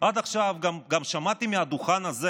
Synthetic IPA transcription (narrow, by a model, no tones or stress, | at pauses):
ʔad̪aχʃavɡamɡamʃamat̪imiad̪uχanaze